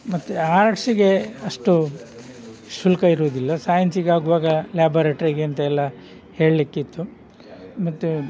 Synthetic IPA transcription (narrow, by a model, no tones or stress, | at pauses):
mɐt̪ːuaːɾɐʈsiɡe̞ɐʂʈu | sulɐkɐiɾoːd̪ilːɐsaːjɐnsiɡeaːɡuʋaːɡɐljaːboːɾeːʈɐɾiɡeɐnt̪ɐɛlːɐ | he̞ːɭlikːit̪ːu | mɐt̪ːu